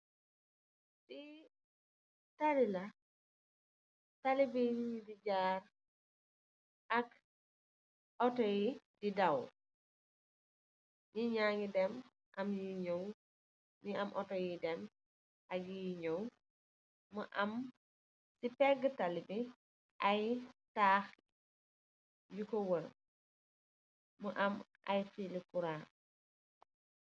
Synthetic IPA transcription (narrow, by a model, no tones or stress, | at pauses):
ti | tadilɐ | tɐlibiɲɲidid͡ʒaːr | ɐk | ɔtɔji | didɐw | ɲiɲaŋidɛm | ʔɐmjiɲow | ɲiɐmʔɔtɔjidɛm | ɐɡijɲow | məʔɐm | sipɛɡːətɐlibi | ʔɐjtaːx | jukɔwəɾ | məʔɐmʔɐ̰jfilikuɾaː